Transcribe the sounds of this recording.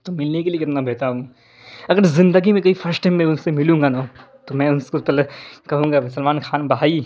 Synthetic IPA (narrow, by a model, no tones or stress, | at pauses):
t̪omɪlnekeliekɪt̪nabʱeːt̪aɦũː | ɐɡəɾzɪ̃nd̪əɡimẽkɐifɐɾsʈɛ̃mːɛ̃ʊnsemɪlũːŋɡanoː | t̪omɛ̃ʊnskop̪ɐlkɐɦũːŋɡasəlmaːnxaːnbɐɦaːi